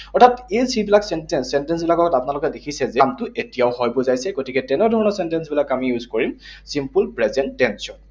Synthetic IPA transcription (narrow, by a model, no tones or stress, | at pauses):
ɔɹtʰatejzibilaksɛntɛsɛntɛns̬bilakɔɡɔtapʊnalʊkɛdekʰisɛzɛmtʊʔetijaʊhɔjbɔzajsɛɡotikɛtɛnɛdʱɔɹɔnɔsɛntɛnsbilakamijuzkoɹimsimpulpɹɛzɛndɛnsɔn